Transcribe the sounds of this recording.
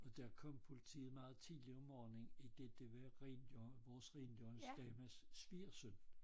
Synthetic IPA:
ɒ̽d̥æɐkʰɒ̽m̰pʰo̝lit͡sʰḭːð̩ˠmɑ̈ːð̞̩ˠt͡sʰḭːliɒmɒːne̝ŋid̥e̝d̥eʋæʁḭnʋɒːsʁḭnd̥jɒnsd̥ɛːmæssʋ̥iːɐsøn̰

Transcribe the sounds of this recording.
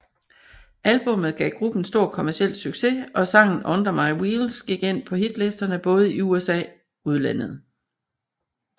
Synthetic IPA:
ʔælb̥ɔ̽mð̩ˠɡ̥ɛ̰ːɡ̥ʁub̥n̩sd̥o̝ɐ̰kʰo̝mæɐsiel̰̥syɡ̥se̝ɒ̽sɑ̈ŋ̰n̩ʔɔ̽nd̥ɐmɑ̈ɪwiːlsɡ̥iɡ̥en̰pʰɒ̽hid̥lesd̥ɐnəb̥ɔ̽ːð̞̩ˠiuesɛ̰ː | uð̞̩ˠlænð̞̩ˠ

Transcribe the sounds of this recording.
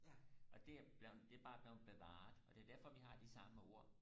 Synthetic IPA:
ʔɒ̽d̥e̝æb̥ld̥e̝æb̥ɑ̈ːb̥liʊb̥e̝ʋɑ̰̈ːð̩ˠɒ̽d̥e̝æɐd̥æɐfɒ̽ʋiɦɑ̈d̥isɑ̈məo̝ɐ̰

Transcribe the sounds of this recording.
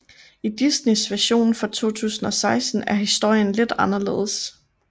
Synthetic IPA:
id̥isnesʋæɐɕo̝̰ːnn̩fʁɒ̈t͡sʰo̝̰ːt͡sʰṵːsn̩ɒ̽sɑ̈ɪsd̥n̩æɐɦisd̥o̝ɐ̰jənle̝d̥ɑ̈nɐle̝̰ːð̩ˠs

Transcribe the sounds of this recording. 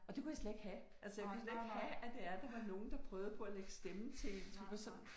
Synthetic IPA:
ɒ̽d̥e̝kʰujäsled̥e̝ɡ̥hæ | ælsəjakʰusled̥e̝ɡ̥ɦææd̥e̝æɐd̥ɑ̈ʋɑ̈no̝ːn̩d̥ɑ̈pʰʁœːʊð̞̩ˠpʰɒ̽æleɡ̥sd̥emn̩t͡sʰe̝lḛnsu̥æsɒn

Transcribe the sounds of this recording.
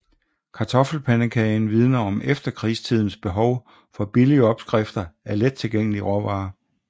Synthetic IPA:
kʰɑ̈t͡sʰɒ̽fl̩pʰænəkʰɛɪnʋið̞ˠnɐɒ̽mʔefd̥ɐkʰʁiːst͡sʰið̞̰ˠn̩sb̥e̝ɦɒʊ | fɒ̽b̥iliəɒ̽b̥sɡ̥ʁefd̥ɐæɐled̥̚t͡sʰe̝lɡ̥eŋ̰əliʁɒʋɑ̈ː

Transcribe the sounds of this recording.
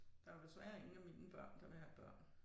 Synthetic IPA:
d̥ɑ̈æd̥esʋæːɐe̝ŋn̩æmiːnəb̥ɶɐ̰nd̥ɑ̈ʋehæb̥ɶɐ̰n

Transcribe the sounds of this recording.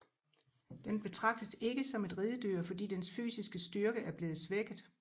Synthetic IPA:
d̥enb̥e̝t͡sʰʁɑ̈ɡ̥̚d̥əse̝ɡ̥əsɒ̽me̝d̥ʁiːðˠəd̥yɐ̰fɒ̽d̥ḭːd̥ensfy̰ːsisɡ̥əsd̥yɐɡ̥əæɐb̥le̝ːð̩ˠsʋeɡ̥əð̩ˠ

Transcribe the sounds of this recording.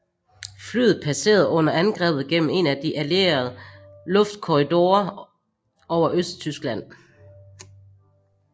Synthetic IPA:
fly̰ːð̩ˠpʰæse̝̰ːɐð̞̩ˠɔ̽n̰ɐænɡ̥ʁɛ̰ːb̥ð̩ˠɡ̥en̰m̩e̝næd̥iʔæle̝ɐð̩ˠlɔ̽fd̥kʰɔʁid̥o̝ːɐ | ɒʊ̰ɐʔøsd̥̚t͡sʰysɡ̥læn̰

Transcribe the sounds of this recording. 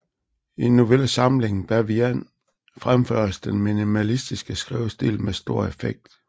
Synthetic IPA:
inːuʋeləsɑ̈mle̝ŋn̩b̥æɐʋiæn | fʁamfø̰ɐ̰sd̥enminimælisd̥isɡ̥əsɡ̥ʁiʊsd̥ḭlmesd̥o̝ɐ̰efeɡ̥̚d̥

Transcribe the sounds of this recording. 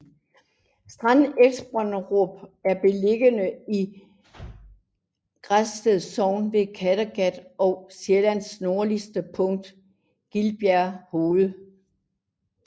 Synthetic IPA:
sd̥ʁanelsb̥ʁɑnʁɔb̥æɐb̥e̝le̝ɡ̥ənəi | ɡ̥ʁasd̥eð̩ˠsɒʊ̰nʋe̝kʰæɾɐɡ̥æd̥ʔɒ̽ʊselæn̰sno̝ɐlisd̥əpʰɔ̽ŋ̰d̥ | ɡ̥ilb̥jæɐhoːðˠə

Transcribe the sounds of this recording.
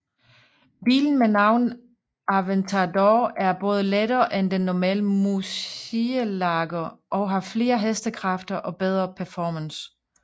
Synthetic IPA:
b̥ḭːln̩menɑ̈ʊ̰n | ʔɑʋent͡sʰɑd̥ɒæɐb̥ɔ̽ːð̞ˠəledɐːʔend̥enːɒmɛ̰ːləmusiəlɑ̈ɡ̥ɐʔɒ̽ʊɦɑ̈fle̝ːɐɦesd̥əkʰʁɑ̈fd̥ɐʔɒ̽b̥eð̞ˠʁɐpʰæɐfɒːməns

